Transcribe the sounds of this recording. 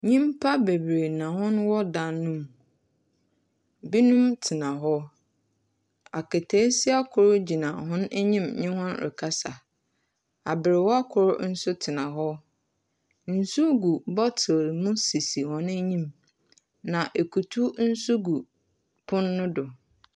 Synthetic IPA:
ɲĩ˦mpʰa˦be˨bɾe˨nã˨hʊ̃˦nwɔ˦dã˨nːũ˦m | bi˦nũ˦mtʰɪ˨nã˨ɦɔ˦ | a˨kɛ˨tʰɛː˦si˦a˦kʰʊ˨ɾʊ˦d͡ʑi˨nã˨ɦʊ̃˦næ˦ɲĩ˦mɲɪ̃˦hɔ̃˦nɾɪ̰˨kʰa˦sa̰˨ | a˨bɪ˨ɾɪ˨wɔ˦a˦kʰʊ˨ɾʊ˦n̩˦sʊ˦tʰɪ˨nã˨ɦɔ˦ | n̩˨su˦ɡu˨bɔ˦tʰɪ˨ɾmʊ̃˦si˨si˨hɔ̃˨næ˦ɲĩ˦m | nã˨ʔe˨kʰu˨tʰu˦n̩˦su˦ɡu˨ | pʰʊ̃˦nːʊ̃˦dʊ˨

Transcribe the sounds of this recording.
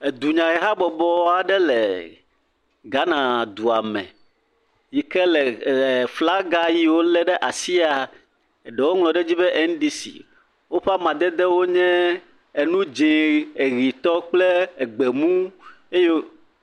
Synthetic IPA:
e˨d̪u˨ɲã˨ɣɛ˨ɦa˦bɔ˨bɔ˦a˨ɖɛ˦lɛ˨ | ɡa˦nã˨d̪u˨a˨mɛ̰̃˨ | ji˨kɛ˦lɛ˨fla˦ɡa˦ji˦wo˦lɛ˦ɖɛ˦ʔa˨si˦a˨ | ɛ˨ɖɛ˨wo˦ŋl̃ɔ̃˨ɖɛ˦d͡ʑi˦bɛ˦ʔɛ˦n˦ɖi˦sḭ˨ | wo˦ɸa˦mã˨d̪ɛ˦d̪ɛ˦wo˦ɲɛ̃˦ | e˨nũ˦d͡ʒẽ˨e˨ɣi˨t̪ɔ˦k͡plɛ˦e˨ɡ͡be˨mũ˦ | e˦jɛ˦

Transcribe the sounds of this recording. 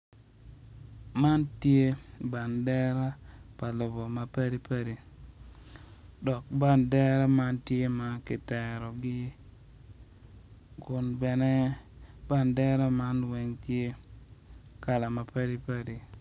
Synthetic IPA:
ma˦ntje˦ba˨ndɛ˦ɾa˦pa˨lo˨bɔ˨ma˨pa˦ɾi˦pə˦ɾi˨ | dɔ˨k̚ba˦ndɛ˦ɾa˦ma˦ntje˦ma˨kɪ˨tɛ˨ɾɔ˨ɡɪ˦ | kʊ˨nbɛ˨nɛ˦ba˦ndɛ˦ɾa˦ma˦nwɛ˨ŋtje˦ | ka˨la˨ma˨pa˦ɾi˦pa˦ɾi˨

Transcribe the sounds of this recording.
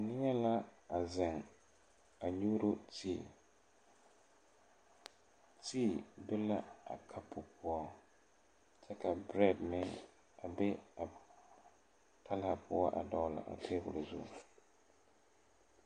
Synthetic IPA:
nɪ˦ɲɛ˦la˦a˨zɪ˨ŋ | a˨ɲu˦ɾo˦tʰi˦˨ | tiː˦˨bɛ˦la˦a̰˨kʰa˦pʰʊ˨pʰʊ˦ɔ˦ | t͡ʃɛ˦ka˨bɾɛ˦˨dmɪ˦ŋ | a˨bɛ˦a˨ | tʰa˦la˨pʰʊ˦ɔ˦ʔa̰˨dɔ˨˦la̰˨ʔa̰˨tʰe˦bʊ̰˨lzʊ˦˨

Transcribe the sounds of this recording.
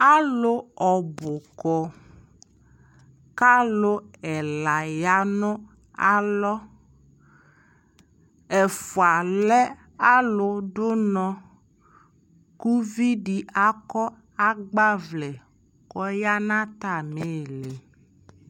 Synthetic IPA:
a˦lʊ˦ɔ˨bʊ˨kɔ˨ | ka˦lʊ˦ɛ˨la˨ja˦nʊ˦ | a˦lɔ˦ | ɛ˨fʊ˨a˨lɛ˦ | a˦lʊ˨dʊ˦nɔ˦ | ku˦vi˦di˨a˦kɔ˦ | a˦ɡ͡ba˦vlɛ˨ | kɔ˦ja˦nã˦t̪a˨me˦˨lɪ˨

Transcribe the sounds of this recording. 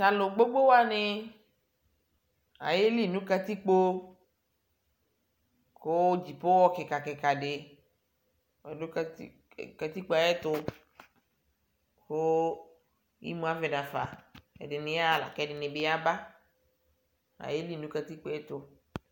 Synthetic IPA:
ta˨lo˨ɡ͡bo˦ɡ͡bo˦wa˦nɪ˦ | a̰˨je˦li˦˨nũ˦ka˦t̪i˦k͡po˦ | ko˦d͡ʒi˨po˦wɔ˦ke˨ka˨kɛ˨ka˨ɖɪ˨ | nu˦k | ka˨t̪i˦k͡po˦a˨je˦t̪ʊ˨ | ko˦ | jḭ˦mũ˨˦a˦vɛ˨nã˨fa̰˨ɛ̰˨dɪ˨nɪ̃˨˦a˦˨la̰˨kɛ˨ɖɪ˨nɪ˨bɪ˦a˦ba˦ | a̰˨je˦li˦˨nũ˦ka˨t̪i˦k͡po˦e˦t̪ʊ˨

